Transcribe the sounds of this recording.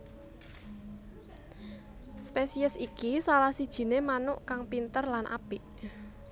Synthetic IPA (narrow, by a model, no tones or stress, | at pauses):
spesiəsikisalahsid̥ʒ̥i̤nemanʊʔkaŋpint̪ərlanʔa̰b̥ɪʔ